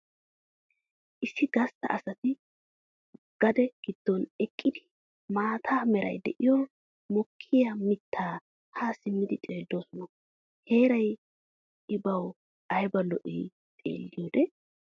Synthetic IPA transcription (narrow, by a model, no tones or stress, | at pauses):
ʔɪsːɪɡɐst̪ːɐ̰ʔɐsɐt̪ɪ | ɡ̥ɐd̪ɛɡ̥ɪd̪̥ːɔnɛkʼːɪd̪ɪ | maːt̪ʰaːmɛɾɐ̰jd̪ɛʔɪjɔ | mɔkʰːɪjɐmɪt̪ʰːaː | haːsɪmːɪd̪ɪt͡ʃ̪ʼe̞ːd̪ːo̞ːsɔnɐ | he̞ːɾɐj | ɪbɐw | ʔɐjbɐlɔʔḭː | t̪ʼḛːlːɪjoːd̪ɛ